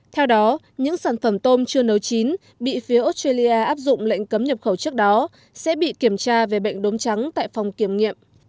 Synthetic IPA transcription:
t̪ʰɛ˧wɗɔ˨˦ | ɲɨ̰˧˥ŋsaː˧˩nfə˧˩mt̪o˧mt͡ɕɨ˧ənə˨˦wt͡ɕi˨˦n | ɓḭ˧˨fi˨˦əʔo˦˥t̚twe˧li˧ʔaː˧ʔaː˦˥p̚zʊ̰˧˨ŋ͡mlḛ˧˨jŋ̟kə˨˦mɲə˨˩p̚xə˧˩wt͡ɕɨ˦˥ək̚ɗɔ˨˦ | sɛ̰˧˥ɓḭ˧˨ki˧˩əmt͡ɕaː˧ve˨˩ɓə̰˧˨jŋ̟ɗo˨˦nt͡ɕa˨˦ŋt̪a̰ː˧˨jfa˨˩wŋ͡mki˧˩əmŋḭ˧˨əm

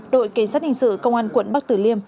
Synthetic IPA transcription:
ɗo̰˧˨jka˨˩˦ŋ̟saː˦˥t̚hï˨ŋsɨ̰˧˨kə˧wŋ͡mʔaː˧nkwə̰˧˨nɓa˦˥k̚t̪ɨ˧˩li˧əm

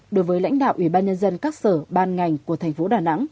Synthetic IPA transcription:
ɗo˨˦jvəː˨˦jla̰˧˥jŋ̟ɗa̰ː˧˨wʔi˧˩ɓaː˧nɲə˧nzə˧nkaː˦˥k̚səː˧˩ɓaː˧nŋa˨˩jŋ̟ku˧˩ət̪ʰɛ˨˩ŋ̟fo˨˦ɗaː˨˩na̰˧˥ŋ

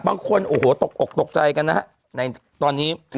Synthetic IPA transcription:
baː˧ŋkʰo˧nʔoː˨˩hoː˨˩t̪o˨˩k̚ʔo˨˩k̚t̪o˨˩k̚t͡ɕa˧jka˧nːa˦˥ | na˧j | t̪ɔː˧nːiː˦˥

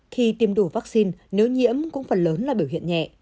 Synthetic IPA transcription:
xi˧t̪i˧˩mɗu˧˩vaː˦˥k̚si˧nne˨˦wɲḭ˧˥əmkʊ̰˧˥ŋ͡mfə˨˩nləː˨˦nlaː˨˩ɓi˧˩əwɦḭ˧˨ənɲɛ̰˧˨ʔ

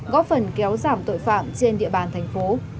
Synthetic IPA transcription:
ɣɔ˦˥p̚fə˨˩nkɛ˨˦wzaː˧˩mt̪o̰˧˨jfa̰ː˧˨mt͡ɕe˧nɗḭ˧˨əɓaː˨˩nt̪ʰɛ˨˩jŋ̟fo˨˦

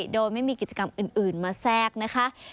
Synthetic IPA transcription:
doː˧jma˥˩jmiː˧ki˨˩t̪̚t͡ɕa˧ka˧mʔɯː˨˩nʔɯː˨˩nmaː˧sɛː˥˩k̚na˦˥kʰa˦˥ʔ

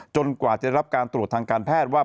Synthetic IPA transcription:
t͡ɕo˧nkwaː˨˩t͡ɕa˨˩˥ɾa˥p̚kaː˧nt̪ɾu˨˩ət̪ːʰaː˧ŋkaː˧npʰɛː˥˩t̪̚waː˥˩

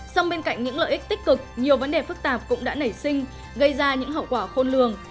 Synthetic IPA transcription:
sa˧wŋ͡mɓe˧nka̰˧˨jŋ̟ɲɨ̰˧˥ŋlə̰ː˧˨ʔï˦˥k̚t̪ï˦˥k̟̚kɨ˨˩k̚ɲi˨˩əwvə˨˦nɗe˨˩fɨ˦˥k̚t̪aː˨˩p̚kʊ̰˧˥ŋ͡mɗa̰ː˧˥nə˧˩jsï˧ŋ̟ | ɣə˧jzaː˧ɲɨ̰˧˥ŋɦə̰˧˨wkwaː˧˩xo˧nlɨ˨˩əŋ

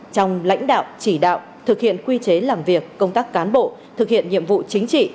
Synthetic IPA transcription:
t͡ɕɔ˧wŋ͡mla̰˧˥jŋ̟ɗa̰ː˧˨wt͡ɕi˧˩ɗa̰ː˧˨w | t̪ʰɨ˨˩k̚hḭ˧˨ənkwi˧t͡ɕe˨˦laː˨˩mvi˨˩əkːə˧wŋ͡mt̪aː˦˥kːaː˨˦nɓo̰˧˨ | t̪ʰɨ˨˩k̚hḭ˧˨ənɲḭ˧˨əmvṵ˧˨t͡ɕï˨˦ŋ̟t͡ɕḭ˧˨

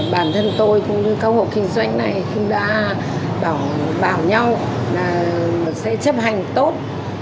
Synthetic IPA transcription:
ɓaː˧˩nt̪ʰə˧nt̪o˧jkʊ̰˧˥ŋ͡mɲɨ˧kaː˧who̰˧˩kï˧ŋ̟zwa˧jŋ̟na˨˩jxʊ̰˧˥ŋ͡mɗa̰ː˧˥ | ɓaː˧˩wɓaː˧˩wɲa˧w | laː˨˩sɛ̰˧˥t͡ɕə˦˥p̚ha˨˩ŋ̟t̪o˦˥t̚

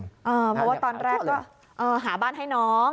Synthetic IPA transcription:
ʔəː˧pʰɔ˧˩waː˧˩t̪ɔː˧nɾɛː˧˥˩kɔː˦˥˩ | ʔəː˧ɦaː˨˩˦ɓaː˥˩nɦa˥˩jnɔ˨˦˥

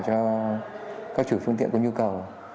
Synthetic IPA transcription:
t͡ɕɔ˧ | kaː˦˥k̚t͡ɕu˧˩fɨ˧ŋt̪ḭ˧˨nkɲu˧kə˨˩w

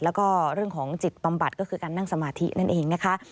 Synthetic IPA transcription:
lɛː˦˥wkɔː˥˩ɾɯ˥˩əŋkʰɔː˩˦ŋt͡ɕi˨˩t̪̚ba˧mba˨˩t̪̚kɔː˥˩kʰɯː˧kaː˧nːa˥˩ŋsa˧maː˧t̪ʰi˦˥nʔa˥˩nʔeː˧ŋna˦˥kʰa˦˥ʔ

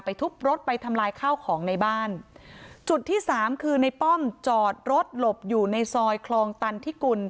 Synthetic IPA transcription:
pa˧jt̪ʰu˦˥k̚ɾo˦˥t̪̚pa˧jt̪ʰa˧mlaː˧jkʰaː˥˩wkʰɔː˩˦ŋna˧jbaː˥˩nt͡ɕu˨˩t̪ʰːiː˥˩saː˩˦mkʰɯː˧na˧jpɔ˥˩mt͡ɕɔː˨˩t̪̚ɾo˦˥t̪̚lo˨˩p̚juː˨˩na˧jsɔː˧jkʰlɔː˧ŋt̪a˧nt̪ʰiː˥˩ku˧n

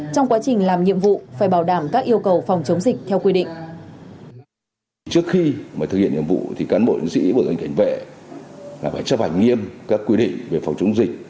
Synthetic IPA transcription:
t͡ɕɔ˧wŋ͡mkwaː˨˦t͡ɕï˨˩ŋ̟laː˨˩mɲḭ˧˨əmvṵ˧˨faː˧˩jɓaː˧˩wɗaː˧˩mkaː˦˥k̚ʔi˧əwkə˨˩wfɔ˨˩wŋ͡mt͡ɕə˨˦wŋ͡mzi˨˩k̟̚t̪ʰɛ˧wkwi˧ɗḭ̈˧˨ŋ̟ | t͡ɕɨ˦˥ək̚xi˧maː˨˩t̪ɨ˨˩hḭ˧˨ənɲḭ˧˨ə˨vṵ˧˨t̪ʰi˨˩kaː˨˦nɓo̰˧˨ʔḭ˨˦ŋsḭ˧˥ɓəː˧˩kə˧˩ŋ̟ka˨˦jŋ̟vḛ˧˨ | laː˨˩faː˧˩jt͡ɕə˦˥ɓa˨˧˩ŋ̟ŋi˧əmkaː˦˥kːwi˧ɗḭ̈˧˨ŋ̟ve˨˩fɔ˨˩wŋ͡mt͡ɕə˨˦wŋ͡mzï˨˩k̟̚

